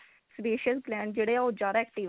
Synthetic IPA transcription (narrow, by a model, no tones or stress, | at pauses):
speːʃiəsplɛ̃ːɳɖ̚d͡ʒeːɽeːaoːd͡ʒaːɾaɛkʈiːʋ